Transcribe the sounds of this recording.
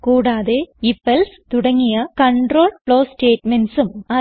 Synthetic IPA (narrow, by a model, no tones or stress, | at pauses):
kuːɽaːðeifelst̪uɽɐŋːijɐkɐɳɖro̞ːɭpɭoːsʈe̞ːʈmensumɐ